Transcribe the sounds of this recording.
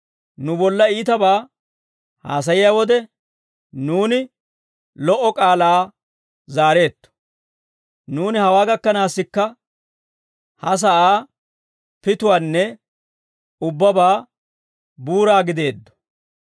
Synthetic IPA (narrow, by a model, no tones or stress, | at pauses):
nʊbɔlːɐiːt̪ɐbaː | ha̰ːs̬ɐjɪjaːwɔd̪ɛ | nuːnɪ | lɔʔɔkʼaːlaː | zaːɾe̞ːt̪ːɔ̥ | nuːnɪhɐwaːɡɐkːɐnaːsːɪkːɐ | hɐs̬ɐʔaː | pɪt̪ʊwaːnːɛ | ʊbːɐbaː | buːɾaːɡɪd̪e̞ːd̪ːɔ̥